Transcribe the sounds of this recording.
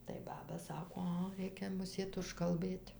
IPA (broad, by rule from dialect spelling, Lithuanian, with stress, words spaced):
tɐɪ ˈbɑːbɐ ˈsɑːkoː ˈɐ ˈrʲɛɪkʲɛ mʊˈsʲeːt ʊʃkɐlˠˈbɘtʲ